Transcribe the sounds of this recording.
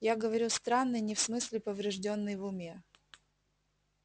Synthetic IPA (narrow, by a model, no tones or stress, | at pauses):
jaɡəvɐɾʲust̪ɾanːɨjnʲɪfsmɨsʲlʲɪpəvɾʲɪʐdʲo̞nːɨjvʊmʲe̞